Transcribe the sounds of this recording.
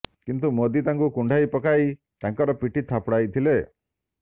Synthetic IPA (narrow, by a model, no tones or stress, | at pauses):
kint̪umod̪it̪aŋkukuɳɖʱajpɔkaj | t̪aŋkɔɾɔpiʈit̪ʰapɽajt̪ʰile